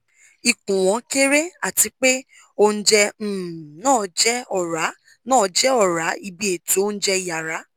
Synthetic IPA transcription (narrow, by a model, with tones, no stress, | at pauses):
i˨kũ˨w̃ɔ̃˨˦ke˦ɾe˦a˦˨ti˨˧k͡pe˦ | o˧n̩˦d͡ʒɛ˧˦˨nãː˦˨d͡ʒɛ˦ɔ˨ɾa˨˦ | nãː˦˨d͡ʒɛ˦ɔ˦˨ɾa˨˦i˧bi˦e˨ti˦o˦n̩˦d͡ʒɛ˦i˨ja˨ɾa˨˦